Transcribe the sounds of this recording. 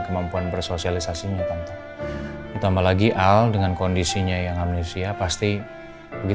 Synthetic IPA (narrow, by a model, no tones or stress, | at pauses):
kəmampuanbərsosialisasiɲat̪ant̪aŋ | tut̪amalaɡiʔaldəŋankondisiɲajaŋamnesiapast̪i | bəɡi